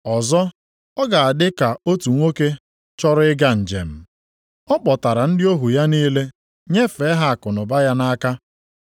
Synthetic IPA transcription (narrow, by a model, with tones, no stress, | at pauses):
ɔ˨zɔ˦ | ɔ˦ɡa˨a˨dɪ˦ka˨o˦tu˨ŋʷo˦ke˦ | t͡ʃɔ˦ɾʊ˦ɪ˦ɡa˦n̩˨d͡ʒḛ˨m̩˨ | ɔ˦k͡pɔ˨ta˨ɾa˨n̩˦dɪ˦o˦ɦu˨ja˦niː˦le˦ | ɲe˦fe˨˦ɦa˦a˨kʊ˨nʊ˨ba˦ja˦na˦ka˦